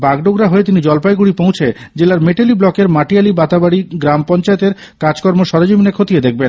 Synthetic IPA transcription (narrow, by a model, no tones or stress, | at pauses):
baɡɖoɡɾaɦoet̪inid͡ʑɔlpajɡuɽipowt͡ɕʰe | d͡ʑelaɾmeʈeliblɔkeɾmaʈialibat̪abaɽiɡɾampɔnt͡ɕaet̪eɾ | kad͡ʑkɔɾmoʃɔɾod͡ʑominekʰot̪ijed̪ek̚ʰben